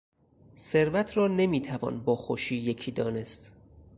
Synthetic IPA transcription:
se̞ɾvæt̪ʰɾɒːne̞miːt̪ʰævɒ̰ːnbɒːxoʃiːje̞cʰiːd̪ɒːne̞st̪

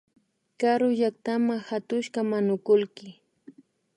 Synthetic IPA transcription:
kaɾʊʎakt̪amahat̪ʊʃkamanʊkʊlkɪ

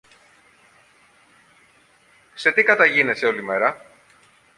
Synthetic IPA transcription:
se̞t̪ikɐt̪ɐʝine̞seo̞lime̞ɾɐ

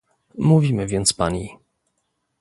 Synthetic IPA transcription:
muvʲimɘvʲjɛnt̪spaɲi

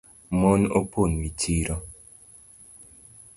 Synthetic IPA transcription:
mɔno̰ponwitʰiɾɔ

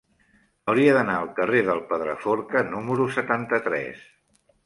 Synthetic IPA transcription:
əwɾiəðənaəlˠkəreðəlˠpəðɾə̰foɾkənuməɾusət̪ant̪ət̪ɾɛ̰s

